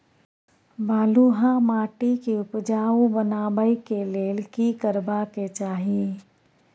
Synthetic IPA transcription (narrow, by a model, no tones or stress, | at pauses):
baːluːɦãmaːʈikiʊpd͡ʒaːũbənaːbəikeleːlkikəɾbaket͡ʃaːɦie